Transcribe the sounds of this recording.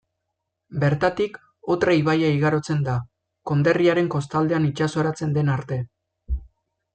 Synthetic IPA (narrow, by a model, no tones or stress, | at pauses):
be̞ɾt̪at̪ik | o̞t̪ɾaiβajaiɣaɾo̞t͡se̞nd̪a | ko̞nd̪eriaɾe̞ŋko̞st̪ald̪e̞anit͡ʃaso̞ɾat͡se̞nd̪e̞naɾt̪e̞